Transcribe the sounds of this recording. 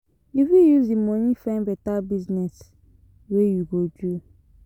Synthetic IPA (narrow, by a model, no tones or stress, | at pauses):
ifjujuzdimɔnĩfãnbɛtabiznɛs | wejuɡod͡ʒu